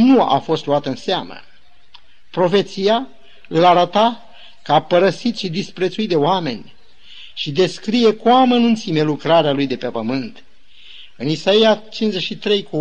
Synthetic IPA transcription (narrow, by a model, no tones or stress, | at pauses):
nua̰fo̞st̪luat̪əɨnseamə̰ | pɾo̞fe̞t̪sija | ɨlaɾət̪a | kəapəɾəsit̪ʃid̪ispɾe̞t̪suit̪̚d̪eoame̞nʲ | ʃid̪e̞skɾije̞kuamənunt̪simelukɾaɾealujd̪e̞pe̞pəmɨnt̪ | ɨnisaijat͡ʃinzeʃit̪ɾe̞jku